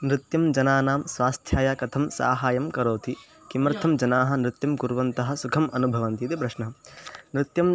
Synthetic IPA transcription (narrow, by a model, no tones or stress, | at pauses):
nɾɪt̪jɐmd͡ʒɐnaːnaːmsʋaːst̪ʰjaːjaːkɐt̪ʰɐmsa̰ːɦaːjɐmkɐɾoːt̪i | kimɐɾt̪ʰɐmd͡ʒɐnaːɦɐ̆nɾɪt̪jɐmkuɾʋɐnt̪ɐɦɐ̆sukʰɐmɐnubʱɐʋɐnt̪it̪ipɾɐʂnɐɦnɾɪt̪jɐm